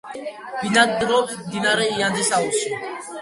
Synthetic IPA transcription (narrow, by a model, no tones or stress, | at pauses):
b̥inad̪ɾɔpmd̪inaɾɛiand̪isausi